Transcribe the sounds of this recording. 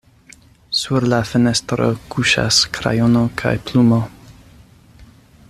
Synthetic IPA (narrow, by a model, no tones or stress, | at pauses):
suɾlafene̞stɾo̞̰kʰuʃa̰skɾa̰jonokʰa̰jplumo̞